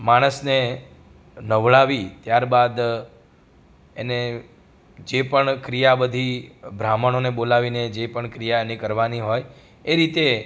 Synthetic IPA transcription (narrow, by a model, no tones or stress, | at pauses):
maɽ̃əsne | nəʋɭaʋit̪jaɾbad̪ | ḛne | d͡ʒepəɳkɾijabəd̪ʱibʱɾaməɳ̃onebolaʋined͡ʒepəɳkɾijaenekəɾʋaniɦoj | eɾit̪e